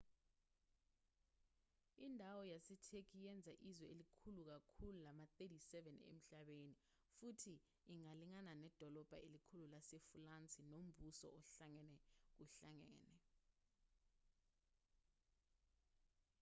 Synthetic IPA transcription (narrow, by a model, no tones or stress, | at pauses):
indʱawɔjasɛtʰek̬ʰʼijɛnd͡zʱaʔizwɛelikʰuluk̬akʰululamatedisɛvɛnḛm̩ɬaɓeni | futʰiː | ŋaliŋananɛd̥ʱɔlɔb̥ʱaʔelikʰululasefulant͡sʼinom̩busɔ̰ɔɬaŋɛnɛk̬uɬaŋɛ̰ːnɛ